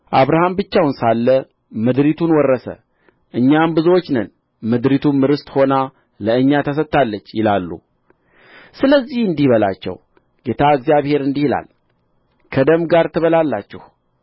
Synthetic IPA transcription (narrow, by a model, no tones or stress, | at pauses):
ʔaβɾahambɨt͡ʃːawnsalːə | mɨd̪ɾit̪ʰunwɔrːəsə̰ | ʔɨɲːambɨzwot͡ʃːnən | mɨd̪ɾit̪ʰumɨɾɨst̪ho̞na | ləɨɲːat̪ʰəs̬ət̪ːalːət͡ʃːjɪlalːṵ | sɨləzːihɨnd̪ihβəla̰t͡ʃːɛ̰w | ɡ̥e̞t̪ʰaɨɡzijaβhe̞ɾɨnd̪ihila̰l | kʰəd̪əmɡaɾt̪ʰɨβəlalːat͡ʃːɛ̰h